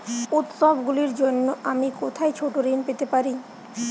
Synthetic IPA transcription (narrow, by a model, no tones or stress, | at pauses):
ut̪sɔbɡuliɾd͡ʑonːoʔamikot̪ʰaet͡ɕʰoʈoɾinpet̪epaɾi